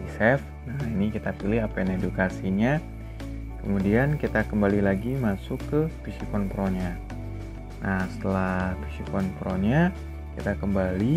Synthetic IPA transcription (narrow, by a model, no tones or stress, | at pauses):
isɛf | nainikit̪apilɪɦapajanedukasiɲa | kəmudiankit̪akəmbalilaɡimasʊkːəpisikɔnpɾoɲa | nʔahsə̥t̪əlafisikɔnpɾoɲa | kit̪akəmbali